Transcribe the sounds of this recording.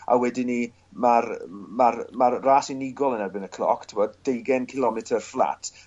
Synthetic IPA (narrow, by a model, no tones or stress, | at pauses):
a̰wɛdɪni | marmarmarraːsinɪɡɔlˠənɛrbɪnəkʰl̥ˠɔ̰kʰtʰɪvɔdd̥ejɡɛnkʰɪlˠɔmɛtʰərflˠa̰tʰ